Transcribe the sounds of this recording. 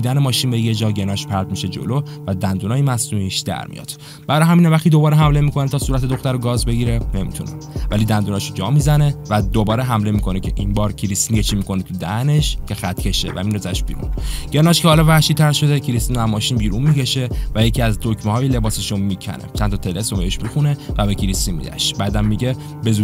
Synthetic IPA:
id̪ænemɒːʃinbeje̞d͡ʒɒːɟe̞nɒːʃpʰæɾd̪miʃed͡ʒo̰lo | væd̪ænd̪unɒːjemæsnuniʃd̪æ̰ɾmḭjɒ̰ːd̪̥ | b̥æɾɒjɦæmiːnævæχt̪id̪o̞bɒːɾeɦæmle̞miko̞net̪ʰɒːsuːɾæt̪ʰe̞d̪oxt̪æɾoɡɒːzbe̞ɟiɾene̞mḭt̪ʰune | vælid̪ænd̪unɒʃod͡ʒɒ̰ːmizæne̞væd̪obɒːɾeɦæmle̞miːkʰo̞necʰe̞ʔinbɒːɾcʰiɾist̪injet͡ʃʰiːmikʰo̞net̪ʰud̪æne̞ʃcʰe̞xæt̪ʰcʰe̞ʃevæ̰minzæʃb̥ḭːɾṵnɟ̥eɾnɒːʃkʰehɒːlɒvæhʃid̪̚t̪ʰæɾʃo̞d̪ecʰiɾist̪inæmːɒːʃiːnbiːɾunmicʰe̞ʃe̞væje̞cʰiæzd̪ocmehɒːjile̞bɒːse̞ʃomicʰæ̰nḛt͡ʃʰænt̪ʰɒt̪ʰelesobeheʃmixunevæbecʰiɾist̪inmḭd̪æ̰ʃbæːd̪ænmiɟe | be̞zu

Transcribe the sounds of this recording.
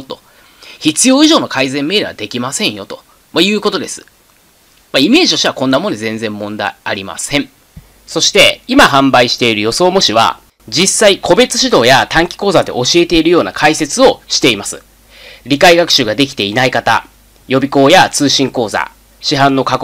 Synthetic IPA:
t̪o̞̥ | çit͡sɨjo̞ːiʑo̞ːno̞kaizẽ̞mːe̞ːd̪eβa̰d̪e̞kʲimasẽ̞ɰ̃jo̞t̪o̞̥ | majɯ̟ːko̞t̪o̞d̪e̞sɨ̥ | maime̞ːʑio̞ɕiβakõ̞nːamo̞nd̪e̞zẽ̞nd͡zẽ̞mːõ̞nd̪a̰iaɾʲima̰sẽ̞ɴ | so̞ɕi̥t̪e̞imaɦãmbaiɕi̥t̪e̞iɾɯ̟jo̞so̞ːmo̞ɕiβa̰ | d͡ʑisːaikʰo̞be̞t͡sɨ̥ɕid̪o̞ːjat̪ãŋkʲi̥ko̞ːzad̪e̞̰ʔo̞ɕie̞t̪e̞iɾɯjo̞ːna̰kʰaise̞t͡sɨo̞ɕi̥t̪e̞imasɨ̰ | ɾʲikaiɡakɯ̟̥ɕɨɡad̪e̞k̬ʲi̥t̪e̞inaikat̪a̰ | jo̞bʲiko̞ːjat͡sɨːɕĩŋko̞ːza̰ | ɕiɦãnːo̞kak

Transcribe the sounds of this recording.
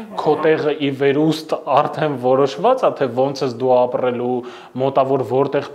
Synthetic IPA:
kʰɔt̪ɛʁəʔivɛɾust̪ɑɾt̪ʰɛnvɔɾɔʃvɑt͡sɑt̪ʰɛvɔnt͡sʰəsd̪uɑprɛlu | mɔt̪ɑvɔɾvɔɾt̪ɛʁ

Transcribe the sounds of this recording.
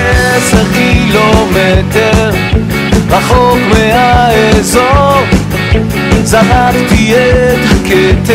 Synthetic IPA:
ɛsɛχkilomɛt̪ɛʁ | baχokmehaezoʁ | zanakt̪iɛket̪

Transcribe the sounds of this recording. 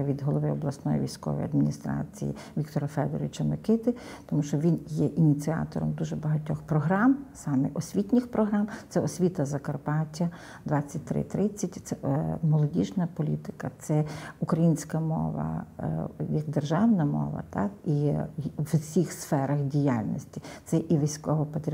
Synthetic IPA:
ʋʲid̪ɦɔlˠɔʋɪɔblˠɐsnɔjḭʋʲijsʲkɔ̰ʋɔ̰jɐ̰d̪mʲinʲist̪ɾɑ̰t͡sʲḭjḭ | ʋʲikt̪ɔɾɐfɛd̪ɔɾʲɪt͡ʃɐmɔkɪt̪ɪ | t̪ɔmuʃt͡ʃɔʋʲinjɛʔinʲit͡sʲiɑ̰t̪ɔ̰ɾɔ̰md̪uʒɛbɐɦɐtʲɔxpɾɔɦɾɑmsɑmɛʔɔsʲʋʲit̪ʲnʲɪxpɾɔɦɾɑmt̪sɛɔsʲʋʲit̪ɐzɐkɐrpɑtʲːɐ | d̪ʋɑt͡sʲːɐt̚ʲt̪ɾɪ̰t̪ɾɪt͡sʲːɐtʲt̪sɛmɔlˠɔdʲiʒnɐpɔlʲit̪ɪ̥kɐt̪sɛukɾɐjinʲsʲkɐmɔ̰ʋɐ̰ | jɐkd̪erʒɑwnɐmɔ̰ʋɐ̰t̪ɑkiwsʲixsfɛɾɐxdʲijalʲnʲɔ̰sʲtʲit̪sɛʔiʋʲijsʲkɔɦɔpɐt̪ɾʲ

